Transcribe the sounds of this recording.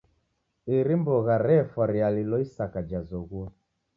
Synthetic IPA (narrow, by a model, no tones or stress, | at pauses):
iɾimbɔɣaɾɛfɔɾialilɔisakad͡ʒazɔɣwɔ